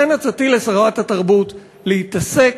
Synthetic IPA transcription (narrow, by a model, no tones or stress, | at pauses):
enat͡satilesʁvathataʁbut | lehitase̞